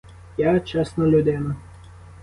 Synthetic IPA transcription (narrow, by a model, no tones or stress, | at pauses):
jat͡ʃɛsnɔlʲʊd̪ɪnɐ